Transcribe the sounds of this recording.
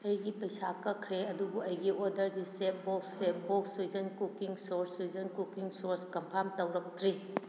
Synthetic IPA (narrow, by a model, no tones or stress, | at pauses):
ɐjɡipɐjsakɐkʰɾeɐdubuɐjɡiʔodɐɾdisep̚boksepboksuzɐnkukiŋsoɾsuzɐnkukiŋsoɾskɐmpʰamtɐwɾɐk̚tɾi